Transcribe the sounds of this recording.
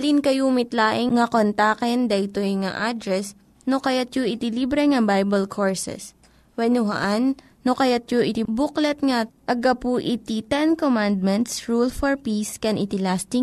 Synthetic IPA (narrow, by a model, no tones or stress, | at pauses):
ɐlinkɐjomɪt̪laːʔɪŋŋɐkont̪aːkɛnd̪ɐʔɪt̪ojŋaʔad̪ɾɛs | nokɐjat̪̚joʔɪt̪ɪlibɾɛŋɐbajbɐlkʰoɹsɛ̰s | wɛnʊɦɐ̰ʔanː | okɐjat̪̚joʔɪt̪ibuklɛt̪̚ŋɐʔɐɡɐpuʔit̪it̪ɛnkomand̪̚mɛnt̪sɹulfoɹpiskɛnʔɪt̪ɪlast̪ɪŋ